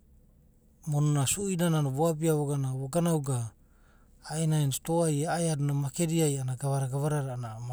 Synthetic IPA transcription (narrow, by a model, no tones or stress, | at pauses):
mononasuinananoβoap̬iaβoɡanaβoɡanawɡaː | enaenstoajeajadnamakeɾiajanaɡaβaɾaɡaβaɾaɾnaa